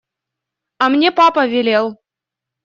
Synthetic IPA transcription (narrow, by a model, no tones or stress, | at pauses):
ɑmnʲepɑpɐvʲelʲelˠ